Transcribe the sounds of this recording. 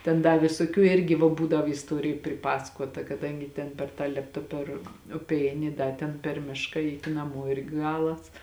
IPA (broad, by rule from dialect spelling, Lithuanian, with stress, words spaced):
tʲɛn ˈdɐ ʋʲɪsoːˈkʲuː ˈɪrʲɡʲɪ ʋɐ ˈbuːdɐw ɪsˈtuɔrʲɪjʊ pʲrʲɪˈpɑːsɐkuɔtɐ kɐˈdɐŋʲɡʲɪ tʲɛn pʲɛr ˈtɑː ˈlʲeːptɐ pʲɛr ˈʊpʲɛ ˈɛɪnʲɪ ɪ ˈdɐ tʲɛn pʲɛr ˈmʲɪʃkɐ ˈɛɪtʲɪ nɐˈmoː ˈɪrʲɡʲɪ ˈɡɑːlˠɐs